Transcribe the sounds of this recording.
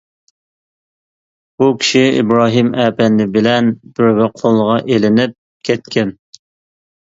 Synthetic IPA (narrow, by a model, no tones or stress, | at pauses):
b̥ukʲʰi̥ʃiḭbɾɑːɦimæːpɛnːɪbɪlɛnb̥yɾvɪqʰolˠʁɑʔelɪnɪp̚ | kʲʰɛt̪kʲʰɛn